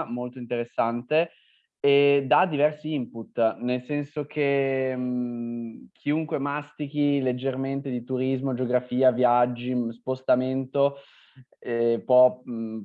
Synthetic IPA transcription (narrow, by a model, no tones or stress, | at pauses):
molt̪oint̪eɾesːant̪eː | d̪ad̪ːivɛrsiimput̪ːnelsɛnsok̟ʰe | k̟ʰiuŋkwemast̪ik̟iled͡ʒːerment̪ed̪it̪uɾizmod͡ʒoɡɾafiːavjad͡ʒːispost̪ament̪o | pwɔ